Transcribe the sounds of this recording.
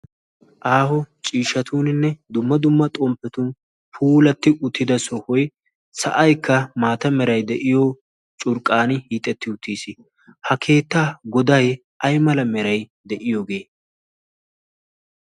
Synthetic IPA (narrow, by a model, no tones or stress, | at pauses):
ʔaːhɔt͡ʃʼiːʃɐt̪ʰuːnɪnːɛd̪ʊmːɐd̪ʊmːɐt̪ʼɔmpːɛt̪ʊn | pʰuːlɐt̪ːɪʔʊt̪ːɪd̪ɐsɔhʊj | sɐ̰ʔɐjkʰːɐmaːt̪ɐmɛɾɐjd̪ɛʔɪjo | t͡ʃʼʊɾkʼːaːnɪhiːt̪ʼːɛt̪ːɪʊt̪ːiːsɪ | hɐkʰe̞ːt̪ːaːɡɔd̪ɐj | ʔɐjmɐlɐmɛɾɐj | d̪ɛʔɪjɔɡe̞ː